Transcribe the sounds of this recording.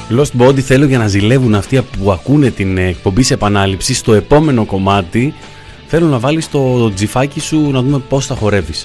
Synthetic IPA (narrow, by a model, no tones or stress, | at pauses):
lo̞st̪bo̞d̪iθe̞lo̞ʝɐnɐzile̞vunɐft̪iɐpuɐkune̞t̪inːk̚po̞mbise̞pɐnɐlipsist̪o̞e̞po̞me̞no̞ko̞mɐt̪i | θe̞lo̞nɐvɐlist̪o̞d͡zifɐcisunɐðume̞po̞sθɐxo̞ɾe̞vis